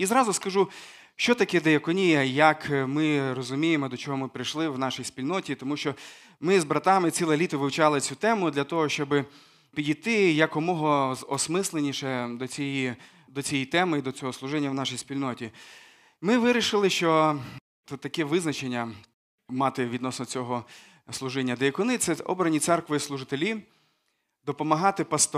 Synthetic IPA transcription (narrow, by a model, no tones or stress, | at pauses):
izɾɑzʊskɐʒu | ʃt͡ʃɔt̪ɐkɛd̪ejɐkɔnʲijɐjɐkmɪrɔzʊmʲijemɔd̪ɔt͡ʃɔɦɔmɪpɾɪjʃlˠɪwnɑʃijspʲilʲnɔtʲit̪ɔmuʃt͡ʃɔ | mɪzbɾɐt̪ɑmɪt͡sʲilˠɛlʲit̪ɔʋɪwt͡ʃɑlˠɪt͡sʲut̪ɛmʊd̪lʲɐt̪ɔɦɔʃt͡ʃɔbɪ | pʲidʲijt̪ɪjɐkɔmɔɦɔzɔsmɪslˠenʲiʃɛd̪ɔt͡sʲiji | d̪ɔt͡sʲijijt̪ɛmɪid̪ɔt͡sʲɔɦɔslˠʊʒɪnʲːɐwnɑʃijspʲilʲnɔtʲi | mɪʋɪɾʲiʃɪlˠɪʃt͡ʃɔ | t̪ɐkɛʋɪznɐt͡ʃenʲːɐ | mɑt̪ɪʋʲid̪nɔsnɔt͡sʲɔɦɔ | slˠʊʒɪnʲːɐd̪ejɐkɔnɪt̪sɛɔ̰bɾɐnʲit̪sɛrkʋɪslˠʊʒɪt̪elʲi | d̪ɔpɔmɐɦɑt̪ɪpɐst̪ɔ